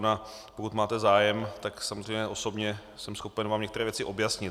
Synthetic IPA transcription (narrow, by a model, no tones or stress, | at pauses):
na | pokut̪maːt̪ɛzaːjɛmt̪aksamozr̝ejmɲɛʔo̞so̞bɲɛ | sɛmsxo̞pɛnvaːmɲɛkt̪ɛɾɛːvjɛt͡sɪʔo̞bjasɲɪ